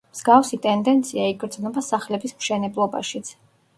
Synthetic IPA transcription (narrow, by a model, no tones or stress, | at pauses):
mz̥ɡafsit̪ʼɛnd̪ɛnt̪sʰiaiɡɾd̪znɔbasaχlɛbismʃɛnɛblˠɔba̰ʃit̪sʰ